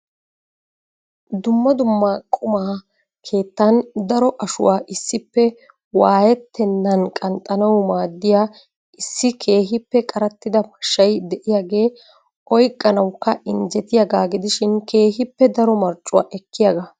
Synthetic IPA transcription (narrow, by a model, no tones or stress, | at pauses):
d̪ʊmːɐd̪ʊmːakʼʊmaː | kʰe̞ːt̪ːɐnd̪ɐɾɔʔɐʃʊ̰waːʔɪsːɪpːɛ | waːjɛt̪ːɛnːɐnkʼɐnt̪ʼːɐnɐwmaːd̪ːɪjaː | ɪsːɪkʰe̞ːɦɪpːɛkʼɐɾɐt̪ːɪd̪ɐpɐ̥ʃːɐjd̪ɛʔɪjaːɡe̞ː | ɔjkʼːɐnɐwkːɐʔɪnd͡ʒɛt̪ɪjaɡaːɡɪd̪ɪʃɪnkʰe̞ːɦɪpːɛd̪ɐɾɔmɐɾt͡ʃʼʊwa̰ːʔɛkʰːɪjaɡa